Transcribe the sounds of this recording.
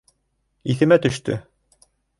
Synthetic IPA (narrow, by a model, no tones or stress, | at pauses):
iθɘ̆mæt̪ɵ̆ʃt̪ɵ̰